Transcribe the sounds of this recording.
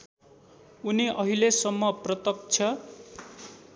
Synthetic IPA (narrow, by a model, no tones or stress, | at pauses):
uniʔʌɦilesʌmːʌprʌt̪ʌk̚t͡sʰʌ